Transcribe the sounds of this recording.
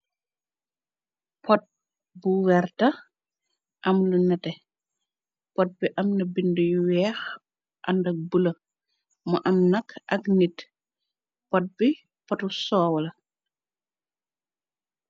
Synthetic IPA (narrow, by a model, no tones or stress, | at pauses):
pɔt̚ | buwɛɾtɐ | ʔɐmlunɐtɛ | pɔt̚biʔɐmnɐbindujuwɛːx | ʔɐndɐk̚bulɐ | mɔʔɐmnɐkʰɐknit | pɔt̚bi | pɔtusɔːwlɐ